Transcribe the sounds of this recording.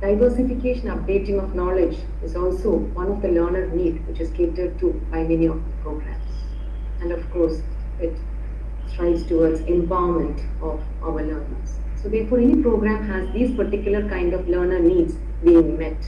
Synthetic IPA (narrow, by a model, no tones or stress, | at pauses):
ɖ̥aɪʋəɾsɪfɪkeːʃə̃nʌp̚ɖeːʈɪ̃ŋɔʋnɔːlɪd͡ʒ | ɪzɔːlsoːʋʌ̃nɔʋd̪ələːɾnəɾniːɖʋɪt͡ʃɪz̥keːʈəɖ̚ʈubaɪmɛniɔʋd̪əpɾoːɡɾæ̰̃ms | æ̃ɳɔʋkoːɾs | ɪʈ | sʈɾaɪbsʈuʋəsɪ̃mpaʊəmə̃ɳʈ | ɔʋ | ʔa̰ʊəɾləːɾnə̰ɾs | soːd̪eːɾfoːɾɛnipɾoːɡɾæ̃mɦæzd̪iːzpəɾʈɪkjʊləɾkãɪ̃ɳɖɔʋləːɾnəɾniːɖz | biːɪ̃ŋmɛʈ